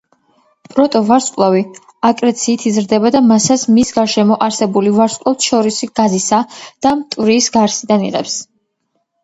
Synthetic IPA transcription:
pʼɾɔt̪ʼɔvaɾskʼlˠavi | akʼɾɛt̪sʰiːt̪ʰizɾd̪ɛbad̪amasasmisɡaɾʃɛmɔʔaɾsɛbulivaɾskʼlˠɔt̪ʃɔɾisɡ̥azisad̪̥amt̪ʼvɾiːsɡaɾsid̪anḭʁɛ̰ps

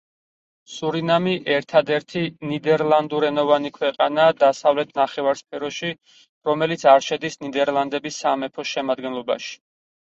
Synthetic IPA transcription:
suɾinamiʔɛɾt̪ʰad̪ɛɾt̪ʰinid̪ɛɾlˠand̪uɾɛnɔvanikʰwɛqʼa̰naːd̪asavlɛt̪ʰnaχɛvaɾspʰɛɾɔʃi | ɾɔmɛlit̪sʰaɾʃɛd̪isnid̪ɛɾlˠand̪ɛbisamɛpʰɔʃɛmad̪̚ɡɛnlˠɔba̰ʃi̥

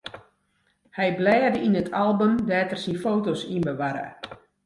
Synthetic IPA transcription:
hɛjblɛːrdəʔinətʰalˠbəmdɛːtərsinfoːtosinbəʋaɾə̰

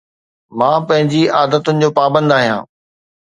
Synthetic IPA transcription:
mãːpɐ̃ɦɪ̃ɲd͡ʑiaːd̪ət̪ʊnɪ̆d͡ʑoːpaːbə̃nd̪aːɦijã̰ː

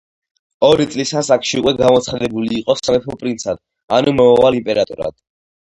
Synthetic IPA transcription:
ɔɾit̪ʼlisasakʰʃiukʼwɛɡamɔt̪sʰχad̪ɛbuliːqʼɔsamɛp̪ʰɔpʼɾint̪sʰad̪̥̚ | anumɔɔvalimpʼɛɾat̪ʼṵɾa̰d̪̥

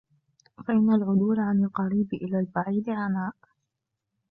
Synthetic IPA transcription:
faʔɪnːalʕʊd̪uːlʕanɪlqɑɾiːbʔɪlaːlbaʕiːd̪ɪʕanaːʔ

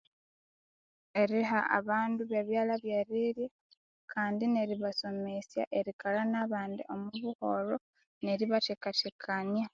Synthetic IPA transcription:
e̞ɾiɦaʔa̰βaːnduβeβjaːlaβjeɾiɾje | kʰaːndine̞ɾiβaso̞mesja̰ʔe̞ɾikalanaβaːndḭʔomuβuho̞ɾo | ne̞ɾiβatekatekʰanja

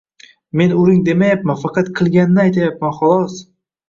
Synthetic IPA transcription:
me̞nʊɾɪŋd̪e̞majapmanfɑqʰɑt̪qʰɨlˠɡʲanɪnɪajt̪ʰajapmanχɒlˠɒs

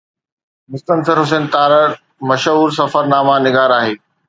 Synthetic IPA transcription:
mʊst̪ənsəɾɦʊs̬eːnt̪aːɾəɽ | mɐʃɦuːɾs̬ɐfəɾnaːmanɪɡaːɾaːɦeː

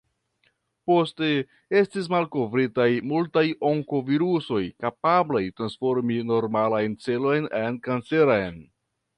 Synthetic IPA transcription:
po̞ste̞ | e̞stis̬malkovɾitajmultajo̞ŋkoviɾuso̞jkapablajtɾansfo̞ɾmino̞ɾmalajnt͡se̞lo̞jnenkant͡se̞ɾajn

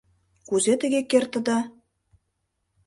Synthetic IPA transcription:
kuzet̪ɘ̆ɡʲekːert̪ə̆d̪ɑ

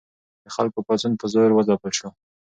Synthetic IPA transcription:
d̪əxalkopazunpəzɑjɾwəzɑpəlʃo

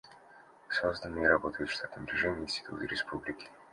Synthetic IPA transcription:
sozd̪ənːɨjəɾɐbot̪əjʊt̪ʃt̪at̪əmd̪ɾʲvʲɪʐɛmʲɪɪnsʲt̪ʲɪ̥t̪ṵt̪ɨɾʲɪspʰublʲɪkʲɪ̥

